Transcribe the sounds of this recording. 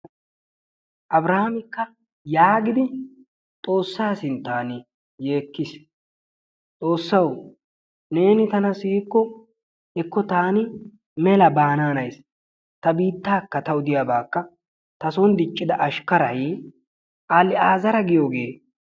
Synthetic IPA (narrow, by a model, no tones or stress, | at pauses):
ʔɐbɾɐhɐmɪkːɐ | jaːɡɪd̪ɪ | t̪ʼo̞ːsːaːsɪnt̪ːaːnɪ | je̞ːkːɪs | t͡s̪ʼo̞ːsːɐw | ne̞ːnɪt̪ɐnɐsiːkːɔ | hɛkːɔt̪aːnɪ | mɛlɐbaːnaːnɐjs | t̪ɐbiːt̪ːaːkːɐt̪ɐʊd̪ɪjaːbaːkːɐ | t̪ɐsɔnd̪ɪt͡ʃʼːɪd̪ɐʔɐʃkɐɾɐj | ʔalɪaːzɐɾɐɡɪjoːɡe̞ː